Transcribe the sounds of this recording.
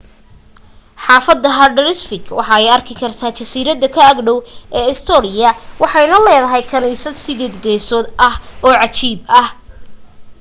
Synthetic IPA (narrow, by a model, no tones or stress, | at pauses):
ħɑːfɐd̪ɐɦɐɖɐɾɪsfɪkʰwɑħɑɛjɐrkʰɪkʰɐrt̪ʰaːt͡ʃɐsiːɾɐd̪ɐkʰɐɐɡɖɔwʔɛːɪst̪ʰɔnɪjɐwɑħɑjnɐlɛːðɐɦɛjkʰɐniːsɐd̪sɪðɛːd̪ɡɛjsɔːd̪ɐhɔːʕɑt͡ʃiːbɐh